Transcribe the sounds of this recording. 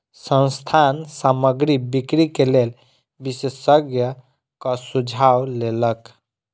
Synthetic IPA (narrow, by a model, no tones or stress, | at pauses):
sə̃nst̪ʰansaməɡɾibikɾikelel | bisesəɡjə | kʌsud͡ʒʱawlelək